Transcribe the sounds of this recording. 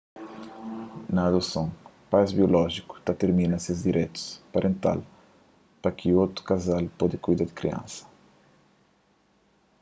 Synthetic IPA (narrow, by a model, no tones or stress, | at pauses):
naːd̪osõŋ | pajzbiolɔʒiku̥t̪at̪eɾmĩnɐsezd̪iɾʔɛt̪u̥spaɾʔẽnt̪a̰l | pɾɐkʰɪot̪u̥kazalpɔd̪ɪkujd̪aɾd̪ɪkɾḭɐ̰̃nsɐ̥